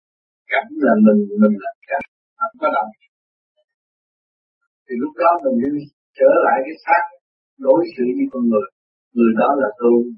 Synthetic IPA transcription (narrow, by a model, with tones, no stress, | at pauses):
ka˨˩ŋlaː˨˩mï˨˩ŋ̟mï˨˩ŋ̟laː˨˩mka˨˩ | ʔa˧˩nkɔ˨˦ɗa˨˩w | t̪ʰi˨˩lʊ˦˥k͡p̚ɗɔ˨˦mi˨˩ŋ̟sɨ˧˦ | t͡ɕəː˧˩la̰ː˧˨jkaː˨˦jsaː˦˥k̚ | ɗo˨˦jsɨ̰˧˨ɲɨ˧kɔ˧˦ŋɨ˨˩əj | ŋɨ˨˩əjɗɔ˨˦laː˨˩t̪ɨ˧əŋ